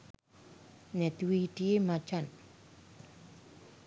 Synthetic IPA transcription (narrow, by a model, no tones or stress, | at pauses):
nɛt̪witiemat͡ʃan